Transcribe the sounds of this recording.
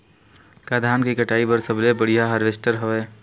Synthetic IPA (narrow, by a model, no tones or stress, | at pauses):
kaːd̪ʱaːnkikəʈaːipəɾsəblebəɽ̤ijaɦəɾʋesʈəɾɦoʋeː